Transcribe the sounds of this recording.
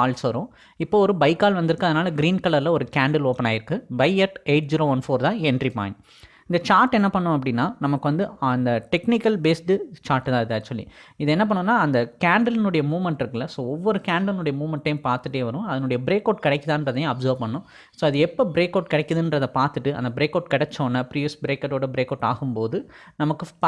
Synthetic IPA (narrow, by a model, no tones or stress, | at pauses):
kaːlsʋɐɾʊ̃ | ɪpːoːɔɾɯbɐɪkːaːlʋɐnd̪ɪɾɯkːɯɐðɯnaːlɐɡɪɾiːnkɐlɐɾlɐɔɾɯkaːɳɖɐloːpɐnaːjɪɾɯkːɯbɐɪɛʈeɪʈ̚d͡ʒiːɾoːʋɐnfoːɾt̪ãːɛɳɖripa̰ːj̃ | ɪnd̪ɐt͡ʃaːɾʈɛnːɐpɐɳːʊ̃ɐpːɐɽɪnːaːnɐmɐkːɯʋɐnd̪ɯnd̪ɐʈɛknɪkːɐlbeːsʈɯt͡ʃaːɾʈt̪ãːɪðɯɐt͡ʃːʊɐlːḭɪðɛnːɐp̬ɐɳːɯ̃nːaːɐnd̪ɐkaːɳɖɐlnɯɽɐjɐmuːʋmɛɳʈɪɾɯkːɐlːɐsoːɔʋːɔɾɯkaːɳɖɐlnɯɽɐjɐmuːʋmɐɳʈːɐjʊ̃paːɾt̪ɯʈːeːʋɐɾʊ̃ɐðɐnʊɽɐjɐbɪɾeːkːɐːʈkɪɽɛkːɐðãːnɾɐðɐj̃ɐbsɐɾʋpɐɳːʊ̃ | soːɐðɯɛpːobɪɾeːkːɐːʈkɪɽɛkːɐðɯndɾɐðɐpaːɾt̪ɯʈːɯɐ̰nd̪ɐbɪɾeːkːɐːʈkɪɽɛt͡ʃːõːnːɐpɾiːʋɪsbɪɾeːkːɐʈːoːɽɐbɪɾeːkɐːʈa̰ːɣɯmpoːðɯnɐmɐkːɯp